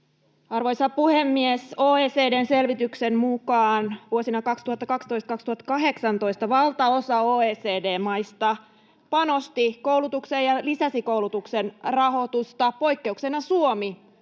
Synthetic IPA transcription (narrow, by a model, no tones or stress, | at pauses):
ɑrʋo̞jsɑpuhemːiesoːeːse̞ːdeːnse̞lʋit̪yksemmukɑːnʋuosinɑkɑkst̪uhɑt̪ːɑkɑkst̪o̞ist̪ɑkɑkst̪uhɑt̪ːɑ̥kɑɦe̞ksɑnt̪o̞jst̪ɑʋɑlt̪ɑosɑoːeːseːde̞ːmɑjst̪ɑ | pɑno̞st̪iko̞wlut̪uksejɑlisæsiko̞ulut̪uksenrɑɦo̞t̪ust̪ɑpo̞jkːe̞uksenɑsuomi